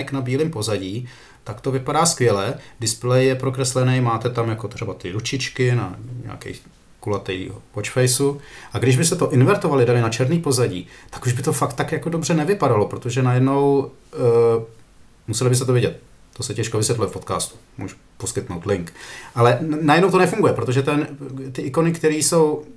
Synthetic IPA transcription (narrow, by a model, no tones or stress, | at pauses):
ɪknabiːlimpo̞zaɟiː | t̪akt̪o̞vɪpadaːskvjɛlɛdɪsplɛjjɛpɾo̞kɾɛslɛnɛjmaːt̪ɛt̪amjako̞t̪r̥ɛbat̪ɪɾut͡ʃɪt͡ʃkɪna̰ɲa̰ːkɛ̰j | kulat̪ɛjokot͡ʃfɛjsuʔaɡdɪʒbɪst̪ɛt̪o̞ʔɪnvɛɾt̪ovalɪdaɾɪnat͡ʃɛɾniːpo̞zaɟḭːt̪ḁkuʒbɪt̪o̞fak̚t̪ːakjako̞do̞brɛnɛvɪpadalo̞pɾo̞t̪oʒɛnajɛdno̞w | musɛlɪbɪs̬t̪ɛt̪ovjɛɟɛt̪̚ | t̪ːosɛcɛʃkovɪsjɛt̪lujɛfpo̞t̪kaːst̪u̥mṵːʒu̥ | po̞skɪt̪nowt̪lɪŋkʔalɛnajɛdnowt̪onɛfuŋɡujɛpɾo̞t̪o̞ʒɛt̪ɛnt̪ɪʔɪko̞nɪkt̪ɛɾiːso̞w